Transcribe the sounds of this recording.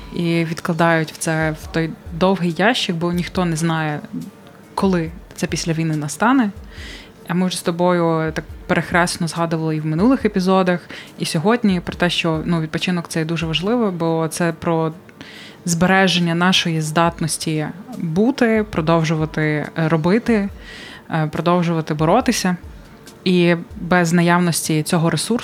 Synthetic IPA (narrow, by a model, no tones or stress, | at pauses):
iʋʲid̪klˠɐd̪ɑjʊtʲw̥t̪sɛwt̪ɔjd̪ɔwɦijːɑʃt͡ʃɐk̚bɔnʲixt̪ɔnɛznɑjɛ | kɔlˠɪt̪sɛpʲisʲlʲɐʋʲijnɪnɐst̪ɑnɛ | ɐmɪwʒst̪ɔbɔjʊt̪ɑk̚peɾexɾɛsnɔzɦɑd̪ʊʋɐlˠɪiwmɪnulˠɪxepʲizɔd̪ɐxisʲɔɦɔdʲnʲipɾɔt̪ɛʃt͡ʃɔnuʋʲid̪̚pɔt͡ʃɪnɔkt̪sɛjd̪uʒɛʋɐʒlˠɪʋɔbɔɔt̪sɛpɾɔ | zbeɾɛʒenʲːɐnɑʃɔjizd̪ɑt̪nɔsʲtʲibut̪ɪpɾʔɔd̪ɔwʒʊʋɐt̪ɪɾɔbɪt̪ɪ | pɾɔd̪ɔwʒʊʋɐt̪ɪbɔɾɔt̪ɪsʲɐ | ibɛznɐjɑʋnɔsʲtʲit͡sʲɔɦɔɾesur